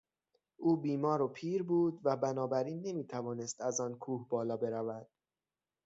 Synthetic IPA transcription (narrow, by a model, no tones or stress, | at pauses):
ʔuːbiːmɒːɾopʰiːɾbuːd̪væbænɒːbæɾiːnːe̞miːt̪ʰævɒːne̞st̪æzɒːnkʰuːhbɒːlɒːbe̞ɾævæd̪̥